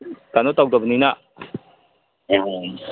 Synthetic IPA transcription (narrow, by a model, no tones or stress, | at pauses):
t̪anɔt̪ɔk̚d̪ɔbnina